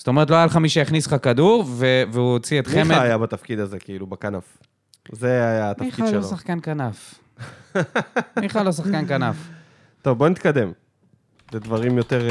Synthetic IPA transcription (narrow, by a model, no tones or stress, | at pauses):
st̪o̞me̞ʁt̪̬loajalχamiʃejaχnisχakad̪uʁveveuot͡siet̪χiemeaajabat̪afkid̪azekiilubakanaf | zeajat̪aiχiaʃlosaχkankanaf | mmiχalos̬aχkankanaf | t̪ovbonit̪̚kad̪e̞m | led̪vaʁimjo̞t̪eʁ